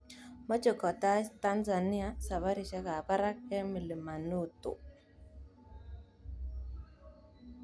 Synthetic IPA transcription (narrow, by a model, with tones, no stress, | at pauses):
mɔ˦t͡ʃo˨kɔ˨ta˦ta˦nza˨nɪ˦a˦sa˨βa˦ɾi˨t͡ʃɛ˦ka˨pa˦ɾa˦kɛ˦mi˨li˨ma˨nu˦˨to̰˨